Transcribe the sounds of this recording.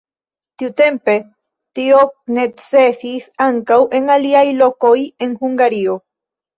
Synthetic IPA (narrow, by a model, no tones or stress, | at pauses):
t̪iut̪e̞mpe̞ | t̪ionet͡sesisaŋkawʔe̞ŋaliajlo̞koje̞nxuŋɡaɾio